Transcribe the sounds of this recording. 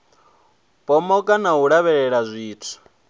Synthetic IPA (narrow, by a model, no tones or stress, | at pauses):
pʼɔmɔkʼanaɦuɺaβɛɺɛɺazʷiːtʰɔ̥